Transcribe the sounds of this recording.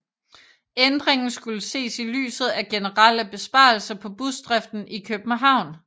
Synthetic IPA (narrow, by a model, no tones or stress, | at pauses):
end̥ʁeŋn̩sɡ̥uləse̝̰ːsily̰ːsð̩ˠæɡ̥e̝nəʁal̰əb̥e̝sb̥ɑ̰̈ːl̩sɐpʰɒ̽b̥usd̥ʁɛfd̥n̩ikʰøb̥n̩ɦɑ̈ʊ̰n